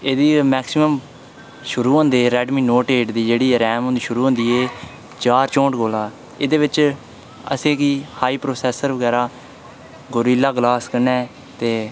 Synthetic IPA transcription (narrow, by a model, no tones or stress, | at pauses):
eːd̪iːmɛːksɪməm | ʃʊɾuːɦõːnd̪eːɾɛːɖmiːnoːʈeːʈd̪iːd͡ʒeːɽiːɾɛːmõnd̪iːʃʊɾuːɦõnd̪iːeː | t͡ʃaːɾt͡ʃõːɳʈɡoːlaː | eːd̪eːʋɪt͡ʃ | ə̰sẽːkiːhaːiːpɾoːsɛːsəɾʋəɡɛːɾaː | ɡoɾiːlaːɡlaːskəɾnɛ̃ː | t̪eː